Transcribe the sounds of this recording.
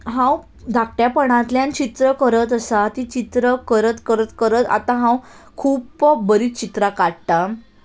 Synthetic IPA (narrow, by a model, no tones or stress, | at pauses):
ɦãw | d̪ʱak̚ʈjapəɳ̃ãt̪ljãnt͡ɕit̪ɾəkəɾət̪əsat̪it͡ɕit̪ɾəkəɾət̪kəɾət̪kəɾət̪a̰t̪ãɦãw | kʰuːpbəɾiːt͡ɕit̪ɾakaɽʈ̪a